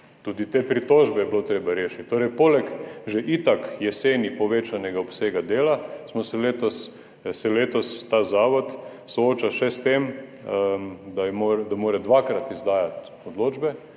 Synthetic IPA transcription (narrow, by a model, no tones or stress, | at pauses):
t̪uːd̪it̪eːpɾit̪oːʒbɛjɛblot̪ɾeːbaɾeːʃi̥t̪̚ʲt̪oːɾɛjpoːlɛkʒeʔit̪akjɛseːnipɔʋeːt͡ʃanɛɡaopseːɡad̪eːlasmɔsɛleːt̪os | sɛleːt̪ɔst̪aːzaːʋɔt̪ | sooːt͡ʃaʃɛst̪em | d̪ajmoɾd̪amoːɾɛd̪ʋakɾat̪izd̪aːjat̪ | od̪loːd͡ʒbɛ